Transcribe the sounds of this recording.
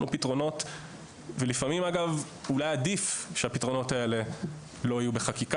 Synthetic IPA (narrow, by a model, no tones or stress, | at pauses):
nupitʁo̞no̞t | velifamimaɡav | ulajadifʃeapitʁo̞no̞tae̞le̞ | lo̞ajubeχakik